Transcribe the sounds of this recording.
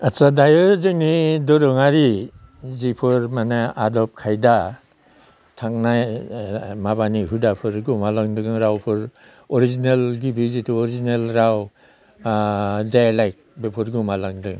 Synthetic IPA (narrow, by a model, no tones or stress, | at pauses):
asadajɯzɯŋnidɔɾɯŋaɾi | zipʰɯɾmanaadɔp̚kʰajda | tʰaŋnaj | maβaniɦudapʰɯɾɡumalaŋdɯŋɾawpʰɯɾ | ɔɾizinelɡibizitʰuɔɾizinelɾaw | dajalajk̚bepʰɯɾɡumalaŋdɯŋ